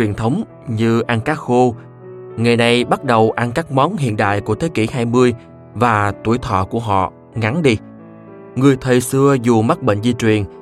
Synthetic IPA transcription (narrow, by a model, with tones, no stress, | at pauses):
wi˨˩ənt̪ʰə˨˦wŋ͡m | ɲɨ˧ʔa˧nkaː˦˥xo˧ | ŋa˨˩jna˨˩jɓa˦˥t̚ɗə˨˩wʔa˧nkaː˦˥k̚mɔ˨˦nɦḭ˧˨ənɗa̰ː˧˨jku˧˩ət̪ʰe˨˦ki˧˩haː˧jmɨ˧əj | vaː˨˩t̪u˧˩əjt̪ʰɔ̰˧˨ku˧˩əɦɔ̰˧˨ | ŋa˨˦nɗi˧ | ŋɨ˨˩əjt̪ʰə˨˩jsɨ˧əzu˨˩ma˦˥k̚ɓḛ˧˨ŋ̟zi˧t͡ɕwi˨˩ən